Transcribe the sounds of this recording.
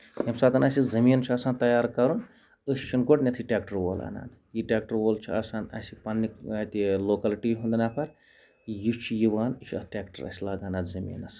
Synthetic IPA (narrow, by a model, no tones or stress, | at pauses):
jemsaːt̪ɐnɐsizɐmiːnt͡ʃʰiɐːsaːnt̪ɐjaːɾkɐɾun | əst͡ʃʰinɡoʈnʲɐt̪ʰiʈʲaːkʈɐɾwoːla̰na̰ːn | jiʈʲaːkʈɐɾwolt͡ʃʰuɐ̰saːnɐ̰sipɐnːikɐt̪iloːkɐliʈiɦund̪ɐnapʰɐɾ | jut͡ʃʰijiʋaːnit͡ʃʰiɐ̰ʈʲaːkʈɐɾɐ̰silaɡaːnaːnzɐmḭːnɐs